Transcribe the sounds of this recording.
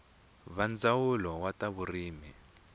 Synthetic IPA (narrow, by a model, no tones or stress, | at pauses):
βand͡zawulɔwataβuriːmi